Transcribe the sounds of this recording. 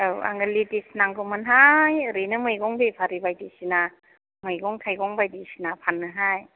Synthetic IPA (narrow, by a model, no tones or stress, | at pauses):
ɯwa̰ŋɡɯlitisnaŋɡɯmɯnɦajɯɾinɯmɯjɡɔŋbepʰaɾibajdisina | mɯjɡɔŋtʰajɡɔŋbajdisinapʰanːɯɦaj